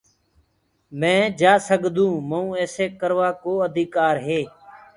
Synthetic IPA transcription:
mɛ̃ːd͡ʒaːsəɡd̪ũːməũːeːseːkəɾʋaːkoːəd̪ʱiːkaːɾɦeː

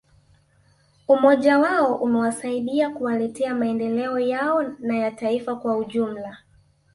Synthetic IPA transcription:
umɔʄawaɔʔumɛwasaiɗiakuwalɛtɛamaɛndɛlɛɔjaɔnajataifakwauʄum̩la

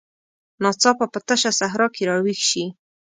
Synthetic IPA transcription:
nɑt͡sɑpapət̪əʃasaɦɾɑkeɾɑɽwixʃi

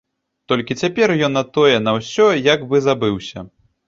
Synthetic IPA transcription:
t̪ɔlʲkʲit͡sʲapʲɛrjɔnːɐt̪ɔjɛnɐwsʲɔjaɡbɨzabɨwsʲɐ

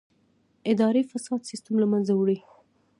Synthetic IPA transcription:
ɪd̪ɑɾefasɑd̪sɪst̪amlamanzawɽi

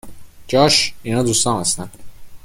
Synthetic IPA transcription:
d͡ʒɒːʃinɒːd̪ust̪ɒːnæst̪æn

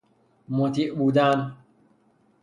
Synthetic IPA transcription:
mot̪ʰiːʔbuːd̪æn

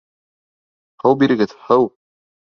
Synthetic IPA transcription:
hɤwbiɾɘ̆ɡɘðhɤw

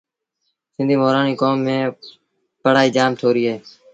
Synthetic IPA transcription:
sɪ̃nd̪ʱiːmoːɾaːniːkoːmːẽː | pəɽ̤aːiːd͡ʒaːmt̪ʰoːɾiːɦeː

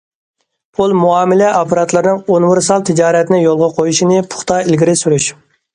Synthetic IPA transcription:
pʰolˠmuɑːmɪlɛɑpʰɑɾɑt̪lˠɨɾnɨŋonwɨɾsɑlˠt̪ʰɪd͡ʒɑːɾɛt̪ɪnɪjolˠʁɑqʰojuʃinɨpʰʊ̥χt̪ʰɑilɡʲiɾɪsyɾyʃ

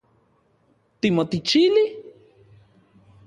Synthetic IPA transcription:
t̪imot̪it͡ʃili

